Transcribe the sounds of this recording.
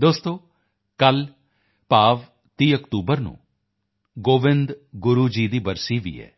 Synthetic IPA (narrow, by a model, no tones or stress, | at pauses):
d̪oːst̪õː | kəl | paːʋ | t̪iːəkt̪uːbəɾnṵ̃ː | ɡoːʋɪ̃nd̪ɡʊɾuːd͡ʒiːd̪iːbəɾsiːʋḭːɛ̰ː